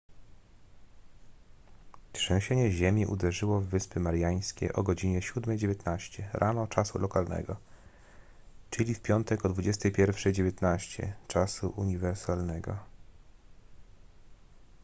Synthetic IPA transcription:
kʂɛ̃w̃ɕɛɲɛʑemʲiʔṵd̪ɛʐɘwɔvːɘspɘmaɾjaj̃skʲḛʔɔɡɔd͡ʑiɲɛɕud̪mɛjd͡ʑevʲjet̪naɕt͡ɕɛɾʔanɔt͡ʂasṵlɔkalnɛ̰ɡɔ | t͡ʂɘlʲifpʲjɔnt̪ɛkɔd̪vud͡ʑɛst̪ɛjpʲjɛɾfʂɛjd͡ʑevʲjɛt̪naɕt͡ɕɛ̰t͡ʂasuʔuɲivɛɾsalnɛɡɔ̰

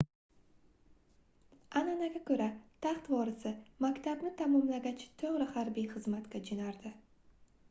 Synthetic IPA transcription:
ananaɡʲakʰɵɾat̪ʰaχt̪vɒɾɪsɪmakʲt̪ʰabnɪt̪ʰamɒmlaɡʲat͡ʃʰɪ̥t̪ʰɵʁɾɪhaɾbijχɨzmat̪kʲad͡ʒɪnaɾd̪ɪ

